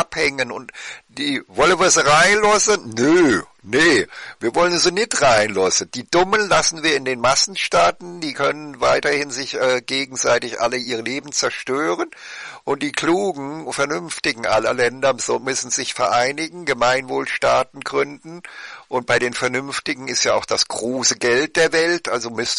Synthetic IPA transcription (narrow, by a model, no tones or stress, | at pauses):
ʔaphɛŋənʊ̰ntd̥iːvɔləviːɐzʁaɪnlɔsənnə | nəviːɐvɔlənzoːnɪtʁaɪnlɔsənd̥iːdʊmənlasn̩viːɐɪndeːnmasn̩ʃtaːtn̩d̥iːkʰœnənvaɪtɐhɪnzɪçʔɛːɡ̥eːɡŋ̩zaɪtɪçʔa̰ləʔiːʁəleːbm̩t͡sɛɐʃtøːʁənʔʊntd̥iːkl̥uːɡŋ̩fɛɐnʏmftɪɡŋ̩ʔa̰lɐlɛndɐzmʏsn̩zɪçfɛɐʔaɪnɪɡŋ̩ɡəmaɪnvoːlʃtaːtn̩ɡʁʏndn̩ʔʊnt̚b̥aɪɾeːnfɛɐnʏmftɪɡŋ̩ɪstjaːaʊxd̥asɡ̥ʁoːsəɡɛlt̚d̥eːɐvɛltʔalzomʏs